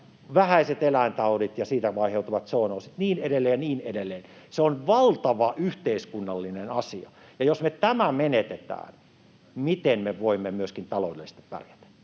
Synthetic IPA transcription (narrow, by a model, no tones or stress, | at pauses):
ʋæhæiset̪elæint̪ɑolit̪jɑsiːt̪æʋɑiheut̪uʋɑt̪soːnoːsit̪niːneɾelːeːjɑniːnedelːeːnseonʋɑlt̪ɑʋɑʔyht̪eiskunːɑlːinenɑsiɑ̰ | jɑjosmet̪æmæmenet̪et̪æ̰ːn | mit̪enmeʋoimːemyøskint̪ɑlodḛlːist̪i̥ppæ̰rjæt̪e̥